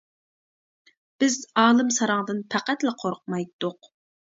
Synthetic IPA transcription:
b̥ɪzɑːlˠɨmsɑɾɑŋd̪ɨnpʰæqæt̪læqʰoɾq̚mɑjt̪ʰːʊq

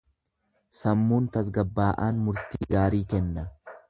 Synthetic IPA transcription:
sɐmːuːnt̪ɐs̬ɡɐbːaːʔaːnmʊɾt̪iːɡaːɾiːkɛnːɐ

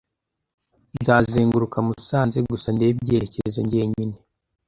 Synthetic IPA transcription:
nzaːziːŋɡuɾukamusaːnzeɡusande̞ːbɟe̞ːɾeceɾezo̰ɲɟieɲine

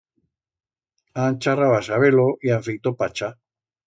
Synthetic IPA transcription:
ant͡ʃaraβasaβeloʔiaɱfekt̪opat͡ʃa

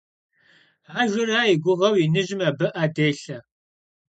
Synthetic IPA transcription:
aːʒʷʊɾaːjɪɡʷʊʁɐwinɨʑɪmaːbɐʔaːdeːɬɐ

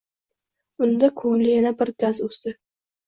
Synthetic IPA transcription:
ʊnd̪akʰɵŋlɪjanabɪɾɡazɵsɪ

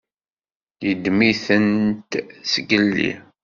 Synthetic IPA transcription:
jəd̪miθənt̪səɡəlːḭ

